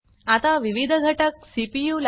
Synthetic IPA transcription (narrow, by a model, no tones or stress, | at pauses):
at̪aʋiʋid̪ʱəɡʱəʈək̚sipijul